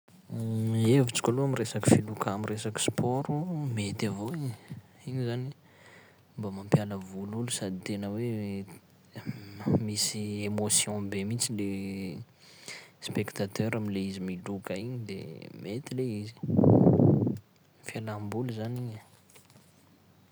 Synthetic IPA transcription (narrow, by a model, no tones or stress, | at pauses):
evut͡si̥kʲaloamiresaki̥filukaamiresaki̥spʰoɾumet̪avoiɲ | iɲizani | mbamãmpjaləvululusad̪it̪enəwe | misiemosjɔ̃bemit͡sile | spekt̪at̪ʰøɾamileizimilukaiɲid̪ḛmet̪ileizi̥ | fialambuluzaniɲə